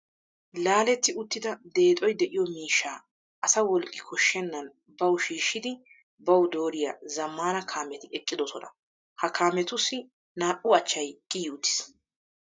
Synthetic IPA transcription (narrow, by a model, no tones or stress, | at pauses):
laːlɛt̪ːɪʊt̪ːɪd̪ɐd̪e̞ːt̪ʼɔjd̪ɛʔɪjɔmiːʃːaː | ʔɐsɐwɔlkʼːɪkʰɔʃːɛnːɐn | bɐwʃiːʃːɪd̪ɪ | bɐwd̪o̞ːɾɪjazɐmːaːnɐkʰaːmɛt̪ɪɛkʼːɪd̪ɔsɔnɐ̰ | hɐkʰaːmɛt̪ʊsːɪ | naːʔʊɐt͡ʃːɐjkʼɪjuːt̪ːɪ̥s